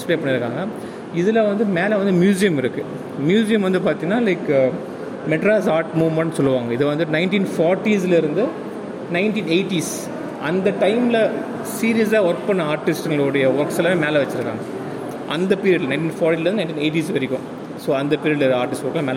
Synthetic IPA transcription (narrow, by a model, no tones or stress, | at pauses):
ɪspleːpɐɳːɪɾɯkːaːŋɡɐ | ɪðɯlɐʋɐnd̪ɯmeːlɐʋɐnd̪ɯmjuːs̬ɪjɐmɪɾɯkːɯ | mjuːsɪjɐmʋɐnd̪ɯpaːɾt̪ɪŋnaːlɐɪkː | mɛʈɾaːsaːɾʈmuːʋmɐɳʈːsɔlːɯʋaːŋɡɐɪðɯʋɐnd̪ɯnɐɪnʈiːnfɔːɾʈis̬lɐɪɾɯnd̪ɯ | nɐɪnʈiːneɪʈis | ɐnd̪ɐʈɐɪmɪlɐ | siːɾɪjɐs̬aːɔɾpɐnːɐaːɾʈɪsʈɛŋɡɐɭʊɽɐjɐʋɐɾksɛlɐːʋeːmeːlɐʋɐt͡ʃːɪɾɯkːa̰ːŋɡɐ | ʔɐnd̪ɐpiːɾɪɐɽlnɐɪ̃nʈ̬iːnfɔːɾʈiːlɐɾɯnnɐ̃ɪnʈiːneːɪʈ̬iːsʋɐɾɪkʲːʊ̃ | soːɐnd̪ɐpiːɾɪəɖlɐɾaːɾʈɪsʈʋɔɾkːlɐmeːl